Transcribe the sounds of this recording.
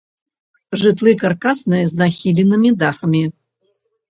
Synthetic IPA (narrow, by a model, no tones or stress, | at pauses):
ʐɨt̪ʰlˠɨkarkasnɨznaxʲilʲinɨmʲid̪aχəmʲi